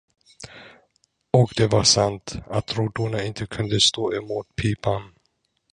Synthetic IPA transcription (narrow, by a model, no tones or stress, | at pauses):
ɔkd̪ɛvaʂant̪at̪ɾuːɖ̪uɳaɪnt̪ʰəkʰɵnd̪əst̪oːɪmut̪̚pʰiːpan